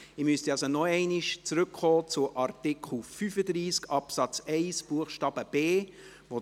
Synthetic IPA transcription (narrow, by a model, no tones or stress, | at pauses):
ɪmyst̪iɑlsonɔɛɪnɪʃt͡sɾʏkχɔːt͡sʊʔɑrtɪkʰl̩fyfəd̪ɾiːskɑpsɑt͡sɛɪsb̥uəχʃtɑːbəb̥eː | vo